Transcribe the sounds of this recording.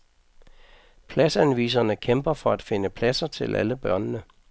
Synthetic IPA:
pʰlæsænʋḭːs̬ɐnəkʰemb̥ɐfɒ̽æd̥fe̝nəpʰlæsɐt͡sʰe̝lʔæ̰ləb̥ɶɐnnə

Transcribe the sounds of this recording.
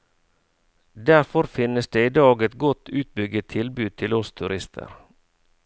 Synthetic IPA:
d̪æɾfɔɾfɪnːəsd̪eːiːd̪ɑːɡɛt̪ɡɔt̪ʰːʉːt̪̚bʏɡːət̪ʰɪlbʉːd̪̚t̪ʰɪlɔst̪ʰʉɾɪst̪ʰə̰ɾ

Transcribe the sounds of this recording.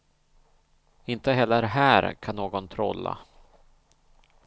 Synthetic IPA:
ɪnt̪əɦɛlːəɾɦæːɾkʰanːoːɡɔnt̪ʰɾɔ̰lːa̰

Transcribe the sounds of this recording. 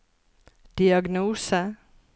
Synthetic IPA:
d̪̥iɑɡnuːsə

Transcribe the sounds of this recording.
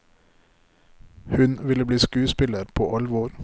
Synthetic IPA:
hʉnʋɪləbliːskʉːspɪləɾpʰo̰ːʔɑlʋoːɾ

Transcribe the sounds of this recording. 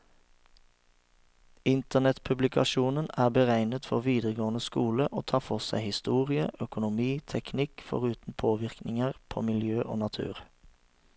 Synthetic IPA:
ɪnt̪əʁnɛt̪pʰʉblɪkʰɑʃuːnənæːbəʁæɪnət̪fɔʁʋiːd̪ʁəɡoːnəskuːləʔo̰ːt̪ʰɑːfɔʁsæɪhɪst̪uːʁɪəʔœkʊnʊmiːt̪ʰɛknɪkfɔ̰ʁʉːt̪n̩pʰoːʋɪʁknɪŋəʁpʰo̰ːmɪljøːʔo̰ːnɑt̪ʰʉ̰ːʁ

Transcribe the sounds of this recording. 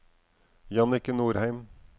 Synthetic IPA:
jɑnɪkənuːɾhæɪm

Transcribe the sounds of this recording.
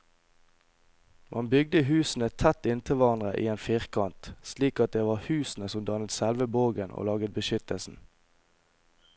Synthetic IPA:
mʔɑnbʏɡ̚d̪əɦʉːsn̩ɛt̪ʰæt̪ɪnt̪ʰɪʋɑʁnʁəʔḭːeːnfiːʁkʰɑnt̪sliːkɑt̪̚d̪eːʋɑːʁhʉːsn̩əsɔmd̪ɑnət̪sɛlʋəboːɡənʔo̰ːlɑːɡət̪̚bəʃʏt̪əlsn̩

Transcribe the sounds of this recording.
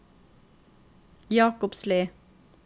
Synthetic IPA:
jɑːkʊpsliː

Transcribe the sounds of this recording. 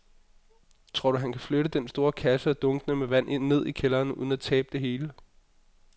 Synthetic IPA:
t͡sʰʁɔɐɾ̥uɦænkʰæfløɾəd̥ensd̥o̝ːɐkʰæsəɒ̽d̥ɔ̽ŋɡ̥ənəmeʋæn̰ʔe̝nne̝ð̰ˠikʰelɐːnṵð̞ˠn̩æt͡sʰɛːb̥̚d̥e̝ɦe̝ːlə

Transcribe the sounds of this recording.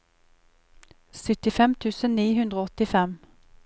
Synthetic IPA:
sʏt̪ɪfɛmt̪ʰʉːsənniːhʉnd̪ʁoːɔt̪ɪfɛm

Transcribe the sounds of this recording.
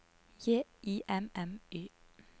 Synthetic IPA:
jeːiːʔɛmɛmøː

